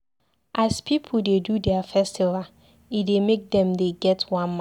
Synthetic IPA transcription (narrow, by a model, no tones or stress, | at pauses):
ʔaspʰip̩ʰdedudɛafɛstiva | idemek̚dɛ̃mdeɡɛtwãnm